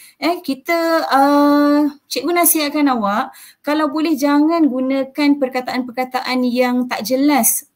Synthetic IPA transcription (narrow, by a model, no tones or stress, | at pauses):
ɛkit̪əə | t͡ʃɛʔɡunasiaʔkanawaʔ | kalawbolɛhd͡ʒaŋanɡunə̃kanpərkat̪aʔanpərkat̪aʔanjaŋt̪aʔd͡ʒəlas